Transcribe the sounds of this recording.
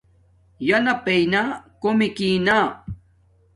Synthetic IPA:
janapajnaːkʊmɪkinaː

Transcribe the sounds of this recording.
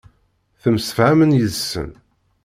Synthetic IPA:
θəmsəfʕæmənjəðsːə̰n

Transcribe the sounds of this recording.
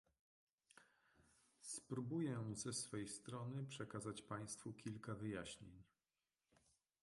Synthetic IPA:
spɾubujɛzɛsfɛjst̪ɾɔnɘpʂɛkazat͡ɕpaj̃st̪fukʲilkavɘjaɕɲḛɲ

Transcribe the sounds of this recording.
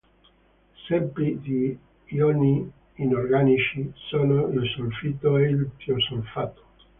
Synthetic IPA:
sɛmpɾid̪i | jɔniː | norɡanit͡ʃisonoilsolfit̪oeilt̪iosolfat̪o̥

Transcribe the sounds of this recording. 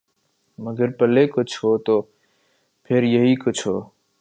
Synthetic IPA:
məɡəɾpəleːkʊt͡ʃʰɦoːt̪oː | pʰeɾjəɦiːkʊt͡ʃʰɦoː

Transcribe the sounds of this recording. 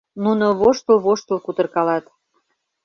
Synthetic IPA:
nunoβoʃt̪əlβoʃt̪əlˠkut̪ərkɑlɑt̪

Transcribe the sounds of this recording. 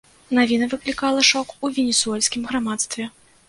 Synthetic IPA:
navʲinɐvɨklʲikalˠɐʂɔkuvʲenʲɛsuɛlʲsʲkʲimɣɾamat̪st̪vʲɛ

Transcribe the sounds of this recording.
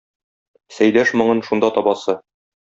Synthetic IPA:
sæjlæʃmŏɴɤnʃund̪ɑt̪ɒbɑsɤ

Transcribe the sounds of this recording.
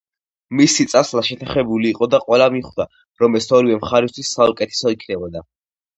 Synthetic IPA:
misit̪sʼaslaʃɛt̪ʰaχɛbuliːqʼɔd̪aqʼwɛlamiχd̪a | ɾɔmɛsʰɔɾivɛmχaɾist̪ʰwisːaukʼɛt̪ʰɛ̥sɔikʰnɛbɔd̪a

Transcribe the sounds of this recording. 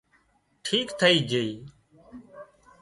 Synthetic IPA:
ʈʰiːkt̪ʰəiːd͡ʒeiː

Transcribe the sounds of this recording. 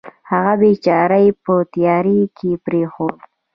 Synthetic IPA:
haɣabet͡ʃɑɾajpət̪jɑɾikʰepɾexod̪

